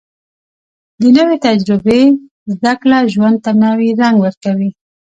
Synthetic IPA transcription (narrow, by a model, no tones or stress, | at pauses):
d̪ənəwet̪ad͡ʒɾɪbe | zd̪aklaʒwand̪̚t̪anawiɾaŋɡwəɾkawi